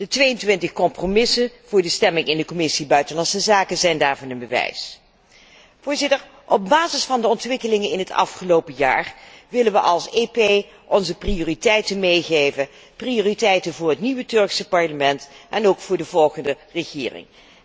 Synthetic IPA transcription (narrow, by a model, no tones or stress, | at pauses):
d̥ətʋejəntʋɪntəχkɔmpromɪsənv̥ʊːɹdəstɛmɪŋɪndəkɔmɪsibœɥtənlɑnsəzaːkəzɛjndaːɹvɑnənbəʋɛ̰js | v̥ʊːɹzɪtəɹ | ʔɔb̚baːzɪsfɑndəɔntʋɪkəlɪŋənɪnɦətɑ̰fχəlowpəja̰ːrʋɪlənʋəʔɑlˠsepej | ʔɔnzəprioːritɛjtənmejχejvən | prioːritɛjtənvʊːɹɦətniʋətɵɹksəpɑɹləmɛntʔɛnowkfʊːɹdəvɔlˠχəndə | rəχɪ̰ːrɪ̰ŋ